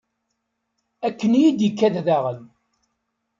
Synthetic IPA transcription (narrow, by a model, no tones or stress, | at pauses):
ækːənjid̪ikːæððaʁən